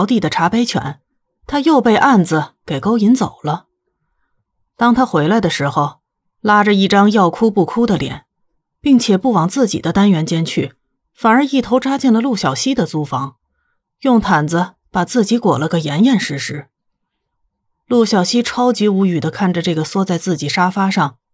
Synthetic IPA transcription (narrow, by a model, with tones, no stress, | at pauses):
ʊt̪i˥˩d̪ə˩ʈ͡ʂʰa˧˥pe˥ɪt͡ɕʰɥɛ̰˧˥n | t̪ʰa˥jo˥˧ʊpe˥˧ɪʔa˥˩nd͡z̩˩ke˨˩ɪko˥ʊi˧˥nt͡so˨˩ʊlə˦ | t̪ɑ˥ŋt̪ʰa˥xwe˧˥ɪla˧ɪd̪ə˩ʂɻ̩˧˥xo˧ʊ | la˥ʈ͡ʂə˧i˥˩ʈ͡ʂɑ˥ŋjɑ˥˩ʊkʰu˥pu˥˩kʰu˥d̪ə˨ljɛ̰˨˩˦n | pi˥˩ŋt͡ɕʰjɛ˨˩pu˥˩wɑ˨˩ŋt͡sɹ̩˥˩t͡ɕḭ˨˩d̪ə˦t̪a˥nɥɛ˧˥nt͡ɕjɛ˥nt͡ɕʰy˥˩ | fa˨˩nə˞˧˥i˥˩t̪ʰo˧˥ʊʈ͡ʂa˥t͡ɕɛ˥˩nlə˩lu˥˩ɕjɑ˨˩ʊɕi˥d̪ə˨t͡su˥fɑ˧˥ŋ | jʊ˥˩ŋt̪ʰa˨˩nd͡zə˧ | pa˨˩t͡sɹ̩˥˩t͡ɕi˧˥kwɔ˨˩lə˦ɡə˩jɛ˧˥njɛ˥˧nʂɻ̩˧˥ʂɻ̩˧˥ | lu˥˩ɕjɑ˨˩ʊɕi˥ʈ͡ʂʰɑ˥ʊt͡ɕi˧˥u˧˥y˨˩d̪ə˦kʰa˥˩nʈ͡ʂə˩ʈ͡ʂɤ˥˩ɡə˩swɔ˥t͡sa˥˧ɪt͡sɹ̩˥˩t͡ɕi˨˩ʂa˥fa˥ʂɑ˥˩ŋ